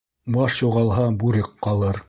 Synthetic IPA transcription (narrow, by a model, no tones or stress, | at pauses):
bɑʃjuʁɑlˠɦɑbuɾɘqqːɑlˠɤɾ